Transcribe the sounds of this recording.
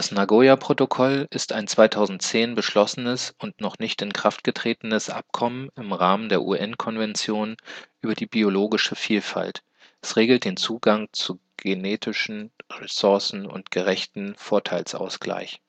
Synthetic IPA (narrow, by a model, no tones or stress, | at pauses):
d̥asnaɡoːjapʁ̥otokʰɔlɪstaɪnt͡sv̥aɪtʰaʊzn̩tt͡seːnbəʃlɔsənəsʊntnɔχnɪçtɪnkʁ̥aftɡ̥ətʁ̥eːtn̩əsʔa̰p̚kʰɔmənɪmʁaːməndeːɐʔṵːʔɛnkʰɔnvɛnt͡sjoːnʔyːbɐdiːbioloːɡɪʃəfiːlfa̰lt | ʔɛsʁeːɡl̩t̚d̥eːnt͡suːɡaŋt͡suɡ̥eneːtʰɪʃn̩ʁɛsʊɐsn̩ʊ̰ntɡ̥əʁɛçtn̩foːɐtʰaɪlsʔa̰ʊsɡ̥la̰ɪç